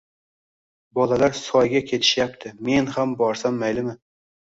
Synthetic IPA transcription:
bɒlalaɾsɒjɡʲakʲʰe̞t̪ʰɪ̥ʃjap̚t̪ʰɪme̞nhambɒɾsamːajlɪmɪ

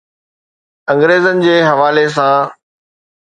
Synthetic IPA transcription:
ɐ̃ŋɡɾeːzənɪ̆d͡ʑeːɦɐʋaːles̬ã

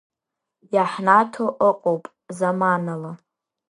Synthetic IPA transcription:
jaħnatʰoʔəqʼowpʼ | zamanala

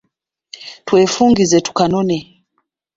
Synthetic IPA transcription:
twɛfuŋɡizɛtu̥kanɔnɛ

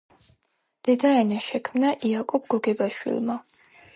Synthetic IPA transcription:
d̪̥ɛd̪aɛnaʃɛkʰmnaʔiakʼɔbɡɔɡɛbaʃwḭlˠma

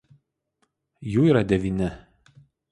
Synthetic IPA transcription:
juːiɾɐd̪ʲɛʋʲiːnʲɪ

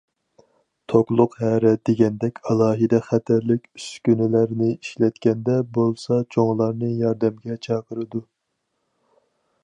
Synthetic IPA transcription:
t̪ʰoklˠʊqhæɾɛd̪eɡʲɛnd̪ɛkʲɑlˠɑːɦɨd̪ɛχæt̪ʰæɾlɪkʲyskʲynɪlæɾnɪiʃlɛt̪kʲɛnd̪ɛbolˠsɑt͡ʃʰoŋlˠɑɾnɨjɑɾd̪ɛmɡʲɛt͡ʃʰɑːqʰəɾɨd̪u

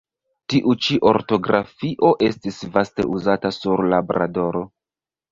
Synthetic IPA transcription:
tiʔut͡ʃiʔo̞̰ɾto̞ɡɾafiʔo̞ʔe̞stisvaste̞̰ʔuzatasuɾlabɾa̰do̞ɾo̞

